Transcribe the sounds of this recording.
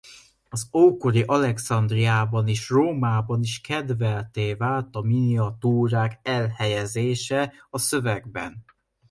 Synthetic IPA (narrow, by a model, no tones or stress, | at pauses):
ɒzoːkoɾiʔɒlɛksɒnd̪rijaːbɒniːʃroːmaːbɒniʃkɛd̪vɛlt̪eːvaːlt̪ɒminiɒt̪uːɾaːkɛlhɛjɛzeːʃɛɒsøvɛɡbɛ̰n